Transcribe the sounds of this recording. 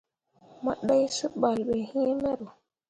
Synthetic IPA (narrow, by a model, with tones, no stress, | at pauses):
ma̰˨ɗa˦jsə˦ɓa˨lɓe˨hĩ˦me˦ɾo˨